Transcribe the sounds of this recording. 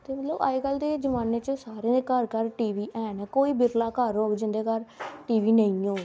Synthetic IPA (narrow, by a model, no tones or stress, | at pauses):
t̪eːmət̪ləba̰ːiːɡəld̪eːd͡ʒəmaːneːt͡ʃəsaːɾeːkəɾkəɾʈiːʋiːʔɛːnɛːkoːiːbɪɾlaːkəɾoːkd͡ʒɪ̃nd̪eːkəɾʈiːʋiːnəĩːoː